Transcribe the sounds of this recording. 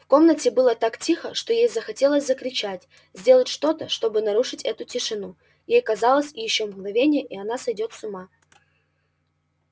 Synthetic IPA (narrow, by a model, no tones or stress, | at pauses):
fko̞mnətʲɪbɨlˠət̪aktʲixəʂt̪o̞jejzəxɐtʲe̞lˠəsʲzəkɾʲɪt͡ɕætʲ | zʲdʲe̞lˠətʲʂt̪o̞t̪əʂt̪o̞bɨnɐɾuʂɨtʲɛt̪ʊtʲɪʂɨnu | jejkɐzɑlˠəsʲɪjɪɕːomɡnɐvʲenʲɪjəʔiɐnasɐjdʲo̞t̪sʊma